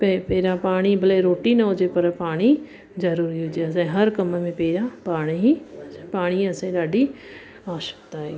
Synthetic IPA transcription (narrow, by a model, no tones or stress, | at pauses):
pepeːɾãpaːɽ̃ibɐleɾoːʈinɐɦʊd͡ʒepɐɾpaːɽ̃i | d͡ʒɐɾuːɾiɦod͡ʒeɐsãɦɐɾkɐməmẽpeːɾãpaːɽ̃iɦipaːɽ̃iɐsãĩɗaːɖʱi | aːʃə̥kt̪aɦe